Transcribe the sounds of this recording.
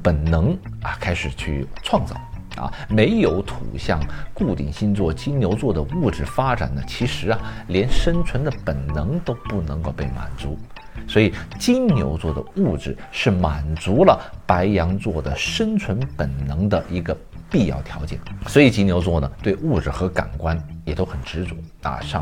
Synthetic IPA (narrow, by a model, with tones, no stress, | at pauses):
pə˨˩nnɤ˧˥ŋ | ɐ̰˧kʰa˥ɪʂɻ̩˨˩t͡ɕʰy˥˧ʈ͡ʂʰwɑ˥˧ŋt͡sɑ̰˥˩ʊ | ɐ̰˧me˧˥ɪjo˨˧˥ʊt̪ʰṵ˨˩ɕjɑ̰˥˧ŋku˥˩t̪ḭ˨˩ŋɕi˥˧nt͡swɔ˥˩t͡ɕi˥nnjo˧˥ʊt͡swɔ˥˩d̪ə˩u˥˩ʈ͡ʂɻ̩˥˩fa˥ʈ͡ʂa̰˨˩nə˦t͡ɕʰi˧˥ʂɻ̩˧˥ɐ˧ljɛ˧˥nʂə˥nt͡sʰwə˧˥nd̪ə˧pə˨˩nnɤ˧˥ŋt̪o˥ʊpu˥˩nɤ˧˥ŋko˥˧ʊpe˥˩ɪma̰˨˩nt͡su˧˥ | swɔ˧˥i˨˩t͡ɕi˥nnjo̰˧˥ʊt͡swɔ˥˩d̪ə̰˩u˥˩ʈ͡ʂɻ̩˨˩ʂɻ̩˥˩ma˨˩nt͡su˧˥lə˨pa˧˥ɪjɑ˧˥ŋt͡swɔ˥˩d̪ə˩ʂə˥nt͡sʰwə˧˥npə˨˩nnɤ˧˥ŋd̪ə˧ʔi˧˥ɡə˧ | pi˥˧jɑ˥˩ʊt̪ʰjɑ˧˥ʊt͡ɕjɛ̰˨˩˦swɔ˧˥i˨˩t͡ɕi˥njo˧˥ʊt͡swɔ˥˩nə˩t̪we˥˧ɪu˥˩ʈ͡ʂɻ̩˨˩xɤ˧˥ka̰˨˩nkwa˥njɛ˨˩t̪o˥xə˨˩nʈ͡ʂɻ̩˧˥t͡sṵ˧˥˦ɐ̰˧˩ʂɑ˥˧